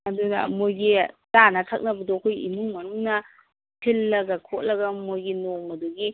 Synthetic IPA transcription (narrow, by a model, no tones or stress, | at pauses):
ɐdunɐ̰mojɡitanɐtʰɐk̚nɐbɐdɔkʰojḭnuŋmɐnuŋnɐ | tʰilːɐɡɐkʰot̚lɐɡɐmojɡinoŋmɐduɡi